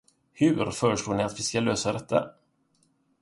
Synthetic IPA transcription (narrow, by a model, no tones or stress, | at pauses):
hɵɾfœːɾəʂloːɳɪat̪vɪskaløːsad̪ɛt̪ʰːa̰